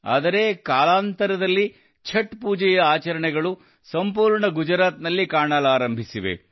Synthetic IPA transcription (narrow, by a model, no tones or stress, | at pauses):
a̰ːd̪ɐɾe̞kaːlaːnt̪ɐɾɐd̪ɐlːi | t͡ʃʰɐʈpuːd͡ʒɛjɐaːt͡ʃɐɾɐɳɛɡɐɭu | sɐmpuːɾɳɐɡud͡ʒɐɾaːt̪nɐlːikaːɳaːlaːɾɐmbʱisiʋḛ